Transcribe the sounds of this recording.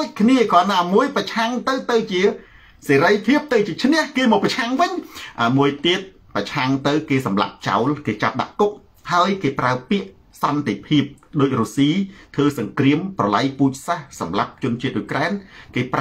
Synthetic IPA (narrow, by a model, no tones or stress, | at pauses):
c̚kʰniəkɑːnaːmuəjprɑt͡ɕʰaŋt̪ɨwt̪ɨwt͡ɕiə | seːɾəjpʰiəp̚t̪ɨwt͡ɕiət͡ɕʰnɛ̆əhkeːmɔːprɑt͡ɕʰaŋʋɨɲʔaːmuəjt̪iət̪̚ | prɑt͡ɕʰaŋt̪ɨwkeːsɑmla̰p̚t͡ɕa̰ɔlkeːt͡ɕap̚ɗa̰ʔkuk̚ | haəjkeːpraəpiəʔ | sɑnt̪epʰiəp̚ɗoːc̚ruːsiːt̪ʰʋəːsɑŋkriəmprɑlajpuːc̚sahsɑmlap̚t͡ɕʊ̆ənt͡ɕiət̪̚ʔuːjkraɛnkeːp